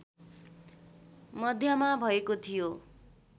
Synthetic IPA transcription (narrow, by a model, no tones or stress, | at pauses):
mʌd̪ʱjʌmabʱʌekot̪ʰijo